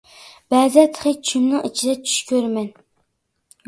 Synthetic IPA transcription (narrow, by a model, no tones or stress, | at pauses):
b̥æːzɛt̪ʰχet͡ʃʰymnɪŋit͡ʃʰid̪ɛt͡ʃʰy̥ʃkʲʰøɾmɛn